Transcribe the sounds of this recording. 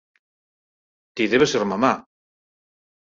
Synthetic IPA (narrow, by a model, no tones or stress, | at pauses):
t̪iðeβeseɾmama